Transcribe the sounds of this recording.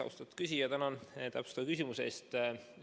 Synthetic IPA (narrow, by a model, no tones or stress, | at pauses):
ɑ̰wst̪ɑt̪ːkysʲijɑt̪ænɑnt̪æpst̪ɑvɑkysʲimusḛst̪